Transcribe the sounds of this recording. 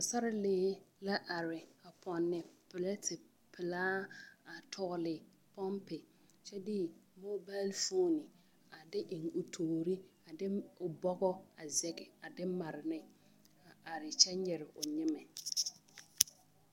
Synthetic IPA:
a˨sa˦ɾɪ˦leː˦la˦ʔa˨ɾɪ˨a˨pʰɔ˨nːɪ˨pɪ˨lɛ˦tɪ˨ | pʰɪ˨laː˦a˨tʰɔ˦lɪ˨ | pɔ˦mpɪ˨ | t͡ʃɛ˦dɪ˦mo˦ba˦lfo˦nɪ˨ | a˨dɪ˦ʔɪ˨ŋʊ˨tʰoː˨ɾi˦a˨dɪ˦ʊ˨bɔ˦ɡɔ˦a˨zɛ˨ɡɪ˨a˨dɪ˦ma˨ɾɪ˨nɪ˦ | a˨ʔa˨ɾɪ˨t͡ʃɛ˦ɲɛ˨ɾɪ˨ʊ˨ɲɪ˦mɛ˨

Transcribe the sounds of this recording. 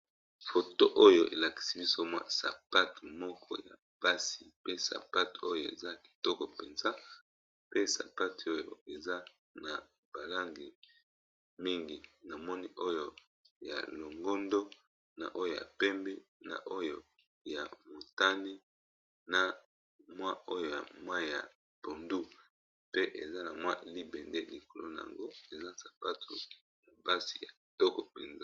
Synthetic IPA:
fo˨to˦ʔo˦jo˨ʔḛ˨la˨ki̥˨si˦bi˦so˦mwa̰˦sa̰˨pa˦tmɔ˦kʰɔ̰˦ja˨ | b̥a˦si˨pe˦sa̰˨pa˦to˦jo˦˨ḛ˨za˦ki̥˨tɔ˦kɔ˨pe˨nza˦ | pe˦sa̰˨pa˦to˦jo̰˨e˨za˦ | na˨ | b̥a˨la˦ŋɡi˨ | mi˦ŋɡi˨na˨mɔ˦ni˦ʔo˦jo˦ | ja̰˨lo˨ŋɡo˦ndo˦ | na̰˨ʔo˦jo˨ja̰˨pɛ˦mbɛ˦na̰˨ʔo˦jo˦˨ | ja˨mo˨ta˦ni˦ | na˨ | mwa˦o˦jo˨ja˨mwa˦ja̰˨ | b̥o˨ndu˦ | pe˦ʔe˨za˦na˨mwa˦li˦bɛ˨nde˦li˨ko˨lo˦na˨a̰˨ŋɡo˦e˨za˦sḁ˨pa˦tṵ˨ | na˨ba˦si̥˨ja˨tɔ˦kɔ˨pɛ˨nza˦

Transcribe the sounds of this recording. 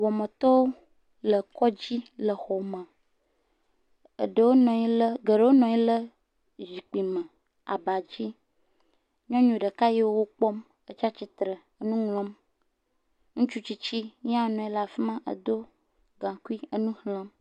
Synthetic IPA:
wɔ˨mə̃˨t̪ɔ˦wo˦ | lə˨kɔ˦d͡ʑi˦lə˨xɔ˨mə̃˨ | ə̰˨ɖə˦˨wo˦nɔ̃˨i˦lə˦ɡə˨ɖə˦wo˦nɔ̃˨i˦lə˦ | zi˨k͡pi˨mə̃˨ | a̰˨ba˨d͡ʑi˦ | ɲɔ̃˦ɲũ˨ɖə˨ka˦ji˦wo˦wo˦k͡pɔ˦m | ə˨t͡ʃa˦t͡ɕi˦t̪ɾə˨ | ə˦nũ˦ŋlɔ̃˦m | ŋũ˦t͡ʃu˦t͡ɕi˦t͡ɕi˦ɲ˦ã˦o˦nɔ̃˨i˦la˨fi˦mã˦ʔə̰˨d̪o˦ | ɡã˨ku˦i˦ə˦nũ˦hlə̃˦m

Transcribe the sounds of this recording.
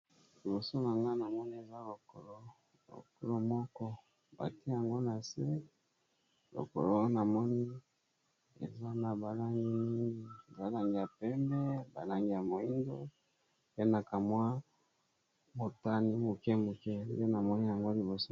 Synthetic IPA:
li˨bo˨so˦na˨na˦na˨mɔ˦ni˦e˨za˦lo˨ko˨lo˦ | lo̰˨ko˦lo˦mɔ˦kɔ˦ | ba̰˨ti˦a˨ŋɡo˦na˨se˦ | lo̰˨ko̰˨lo˦na˨mɔ˦ni˦ | ḛ˨za˦na˨ba˨la˦ŋɡi˦ni˦ŋɡi˦˨za˦la˨ŋɡi˨ja˨pɛ˦mɛ˦ba˨la˦ŋɡi˨ja˨mo˨i˦ndo̰˦ | pe˦na˨ka˨mwa˦ | mo˨ta˦ni˦mo˨kɛ˦mo˨kɛ˦nde˦na˨mɔ˦ni˦ja˨ŋɡo˦li˨bo˨so˦

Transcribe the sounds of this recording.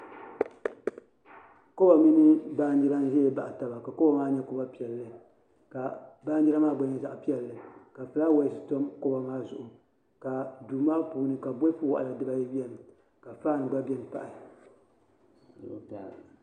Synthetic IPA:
ko˦ba˨mɨ˦nɨ˦baː˦n˦di˦ɾa˦n˦ʒɛ˦ɛ˦ba˨ʔa˨ta˨ba˨ka˨ko˦ba˦maː˦ɲɛ˦ko˦ba˦pi˨ɛ˨lːɨ˦ | ka˨baː˦n˦i˦ɾa˦maː˦ɡ͡ba˦ɲɛ˦za˨ʔpi˦ɛ˨lːɨ˨ka˨fɨ˨la˦wa˨˦sɨ˦to˦mko˦ba˨maː˦zʊ˨ʔʊ˨ | ka˨duː˨maː˦puː˨˦nɨ˨ka˨bo˦fɨ˦wa̰˨ʔa˨la˨dɨ˦ba˦jɛ˦wɛ˦nɨ˨ | ka˨faː˦nɨ˨ɡ͡ba˦bɛ˦nɨ˨pa˦ʔa˨

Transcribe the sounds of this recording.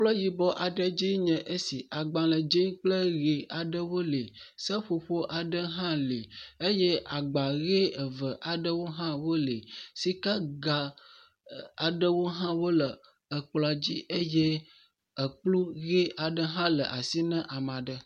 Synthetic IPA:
k͡plɔ˦ji˨bɔ˦ʔa˨ɖə˦d͡ʒi˦ɲə̃˨ʔe˦si˨ʔa˨ɡ͡bã˨lə˨d͡ʒi˦ŋk͡plə˦ɣe˨a˨ɖə˦wo˦le˨sə˦ɸo˨ɸo˦ʔa˨ɖə˦ɦã˦li˨e˦jɛ˦ʔa˨ɡ͡ba˨ɣe˦ə˨və˨ʔa˨ɖə˦wo˦ɦã˦wo˦le˨si˦ka˦ɡa˨ | a˨ɖə˦wo˦ɦã˦wo˦lə˨ | ə˨k͡pla˨d͡ʑi˦ʔə˦je˦ | ə˨k͡plu˦ɣe˦a˨ɖə˦ɦã˦lə˨ʔa˨si˦nə̃˦ʔa˨mã˨ɖə˦

